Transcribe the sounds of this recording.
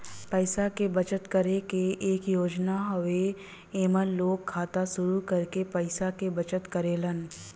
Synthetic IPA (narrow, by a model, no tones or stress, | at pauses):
pəɪsakebət͡ʃət̪kəɾekeʔeːkjoːd͡ʒnaɦɐʋe | eːmənloːɡʰaːt̪aʃʊɾukɐɾkepəɪsakebɐt͡ʃət̪kəɾeːlən